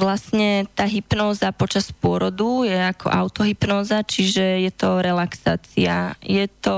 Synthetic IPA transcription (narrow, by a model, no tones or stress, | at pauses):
ʋlasɲɛt̪aːɦipnɔːzapɔt͡ʃaspʊɔɾɔd̪ujɛakʰɔ̰ʔaʊt̪ɔɦipnɔːzat͡ʃiʒɛjɛt̪ɔɾɛlaksaːt͡siajɛt̪ɔ